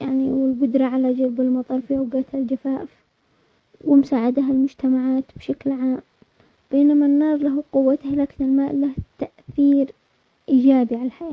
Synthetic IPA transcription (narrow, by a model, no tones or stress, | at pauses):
jaʕniwɪlbʊd̪ɾˤɑʕalad͡ʒalbɪlmɑt̪ˤɑɾˤfiʔawɡaːt̪hald͡ʒafaːf | wɪmsaːʕad̪aɦalmʊd͡ʒt̪amaʕaːt̪b̥ʃaklʕaːm | b̥eːnamanːɑːɾˤlaɦqʊwːat̪hlaːkɪnɪlmaːʔlaht̪aʔθiːɾ | ʔiːd͡ʒaːbiʕalalħajaː